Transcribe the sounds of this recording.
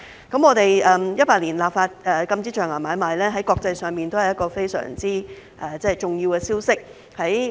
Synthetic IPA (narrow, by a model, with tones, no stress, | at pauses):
kɐ˨˥mɔː˨˧t̪e˨jɛː˨jɐ˥paː˧k̚liː˨˩nlaː˨p̚faː˧t̚ɛː˨˩kɐ˧mt͡siː˥t͡ʃœː˨˩ŋaː˨˩maː˨˧˥jmaː˨jlɛː˥ɦɐ˨˥jkɔː˧k̚t͡sɐ˧jsœː˨ŋpiː˨nt̪o˥whɐ˨jɐ˥kɔː˧fe˥jsœ̰ː˨˩ŋt͡siː˥ | ʔɛː˨t͡sɛ˥˨jt͡sʊ˨˩ŋjiː˧wkɛː˧siː˥wsɪ˥k̚ | hɐ˨˥j